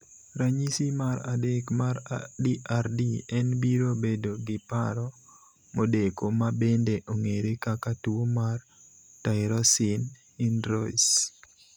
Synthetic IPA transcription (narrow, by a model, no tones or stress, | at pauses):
ɾaɲisimaɾadekmaɾdiʔaɾdiɛnbiɾobedoɡɪpaɾɔ | modekomabendeʔoŋeɾekakatuomar | taɪɾɔsɪn | inɾɔis